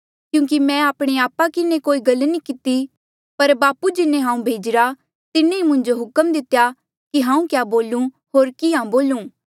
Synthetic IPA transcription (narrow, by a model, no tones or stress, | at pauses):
kjũːk̬imɛ̃aːpɽ̃eaːpːakɪnekoːiɡɐlnikɪt̪i | pɐɾbaːpud͡ʒɪnẽɦãːũbʱeːd͡ʒɪɾa | t̪ɪnẽimʊ̃ɲd͡ʒoɦʊkəmd̪ɪt̪eja | kiɦãːũkjaːboːlũ | ɦoːɾkɪãboːlũː